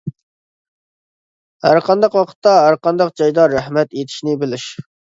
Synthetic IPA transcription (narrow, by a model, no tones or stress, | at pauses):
hæɾqʰɑnd̪ɑqwɑqʰə̥t̪ːɑɦæɾqɑnd̪ɑq̚d͡ʒɑjd̪ɑɾæhmɛt̪et̪ʰi̥ʃnɪbɪlɪʃ